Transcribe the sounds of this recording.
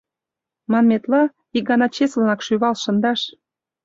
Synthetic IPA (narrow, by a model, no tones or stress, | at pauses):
mɑnmet̪lɑ | ik̚ɡɑnɑt͡ɕeslənɑkʃyβɑlʃə̆nd̪ɑʃ